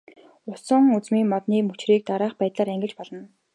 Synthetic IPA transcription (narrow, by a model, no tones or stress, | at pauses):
ʊsə̆ŋut͡smiːŋmɔt̪niːmɵt͡ɕriːk̚t̪aɾaːχpæːt̪ɮaːɾæŋɡʲɪ̆t͡ɕpɔɮɞ̆n